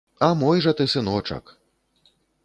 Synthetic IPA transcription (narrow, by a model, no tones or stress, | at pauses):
ɐmɔjʐɐt̪ɨsɨnɔt͡ʂɐ̰k